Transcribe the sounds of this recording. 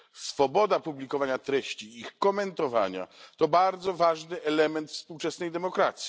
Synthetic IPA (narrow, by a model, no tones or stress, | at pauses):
sfɔbɔd̪apublʲikɔvaɲat̪ɾɛɕt͡ɕiixkɔmɛnt̪ɔva̰ɲa̰t̪ɔbaɾd̪zɔvaʐnɘʔɛlɛmɛnt̪fspuwt͡ʂɛsnɛjd̪ɛmɔkɾat̪sʲi